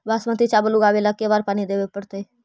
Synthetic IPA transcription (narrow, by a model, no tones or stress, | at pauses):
baːsmət̪it͡ʃaːbəluɡaːʋelakeʋaːɾpaːñid̪eːʋepəɽt̪ee